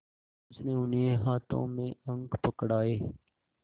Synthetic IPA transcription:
sneːʊnɦeːɦaːt̪ʰõ̰ːmẽːə̃ŋɡpəkɽaːeː

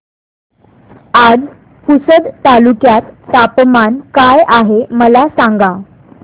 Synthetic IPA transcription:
ad͡z | kusəd̪t̪alukjat̪ːapmankajaɦeməlasaŋɡa

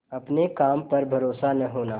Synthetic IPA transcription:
ɐpnekaːmpɐɾbʱɐɾoːsanɐɦoːnaː

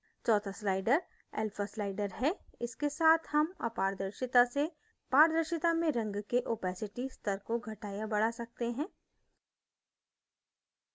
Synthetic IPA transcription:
t͡ʃɔːt̪ʰaslaːɪɖəɾ | ɛ̰ːlfʰaslaːɪɖəɾɦɛɪskesaːt̪ʰhɐmaːpaːɾd̪əɾʃɪt̪ase | paːɾd̪əɾʃɪt̪amẽɾɐ̃ŋɡkeʔoːpɛːsɪʈist̪əɾkoɡʱɐʈaːjabɐɽ̤asɐk̚t̪eɦɛ̃ː

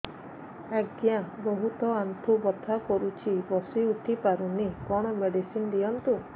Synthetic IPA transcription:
ɛɡjãbɔɦut̪ɔant̪ʰubɔt̪ʰakɔɾut͡ʃʰibɔsiut̪ʰipaɾunikɔɽ̃ɔmeɖisind̪ijɔnt̪u

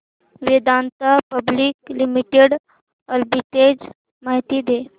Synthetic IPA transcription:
ʋed̪ant̪əpəbliklimiʈeɽ | əlbiʈ̪ed͡z | maɦit̪id̪e

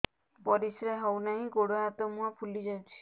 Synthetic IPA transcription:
bɔɾisɾeɦɔwnaɦĩɡoɽoat̪ɔmũapʰulid͡ʒant͡ʃʰi̥

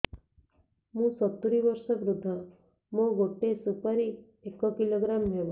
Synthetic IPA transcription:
mũːsɔt̪uɾiʋɔɾʃəʋɾud̪ʱːə | mõɡoʈːesupaɾi | ekɔkiloɡɾamɦebo

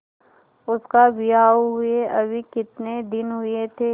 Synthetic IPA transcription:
ʊskabijaːɦʊeʔɐbʱikɪt̪ned̪ɪnɦʊet̪ʰeː

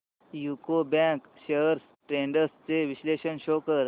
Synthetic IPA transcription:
jukobãkɕeɾs | ʈɾeɳɖəɾst͡seʋiɕleɕənɕokəɾ

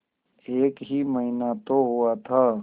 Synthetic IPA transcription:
eːkɦiməɦinat̪oɦuat̪ʰa

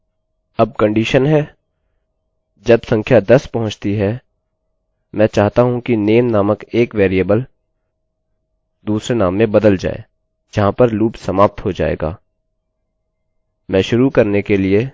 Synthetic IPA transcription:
ɐb̚kɐ̃ɳɖiʃənɦɛ | d͡ʒɐbsɐ̃ŋkʰjad̪ɐspɐɦʊ̃t͡ʃt̪iɦɛ | mɛ̃ːt͡ʃaːɦt̪aɦũkineːmnaːməkeːkʋeːɾijəbəl | d̪uːsɾenaːmːẽbɐd̪əld͡ʒa̰ːḛː | d͡ʒɐɦãpɐɾluːpsɐmaːp̚t̪ɦod͡ʒa̰ːḛːɡa̰ː | mɛ̃ːʃʊɾukɐɾnekelie

